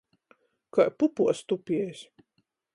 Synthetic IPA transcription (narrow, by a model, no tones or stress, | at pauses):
kajpupuɔst̪upʲiɛjs